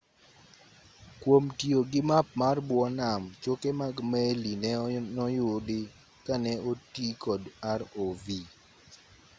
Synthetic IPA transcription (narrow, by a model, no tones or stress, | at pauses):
kwomtioɡɪmap̚marbwɔnamt͡ʃokemaɡmɛlinɛnɔjʊdɪ | kanɛotikɔdaɾovi